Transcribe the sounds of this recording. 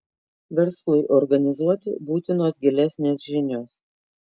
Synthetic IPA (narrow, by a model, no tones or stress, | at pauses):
ʋʲɛɾslˠʊɪʔɔɾɡɐnʲɪzuɔt̪ʲɪbuːt̪ʲɪnoːsɡʲɪlʲæsʲnʲeːsʒʲɪnʲoːs